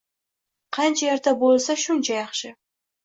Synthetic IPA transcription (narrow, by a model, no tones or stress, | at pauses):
qʰɑnt͡ʃʰajeɾt̪ʰabolˠsaʃʊnt͡ʃʰajɑχʃɪ